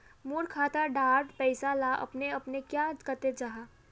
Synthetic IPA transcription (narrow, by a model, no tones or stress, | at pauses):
muːɾkʰaːt̪aɖaːɾɖpɛɪsalaʔɐ̰pneɐpnekjakət̪ed͡ʒaɦa